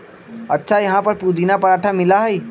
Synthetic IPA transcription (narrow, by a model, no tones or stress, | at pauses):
ɐtːʃʰajɐɦãpɐɾpud̪inapɐɾaːʈʰamɪlaɦɛi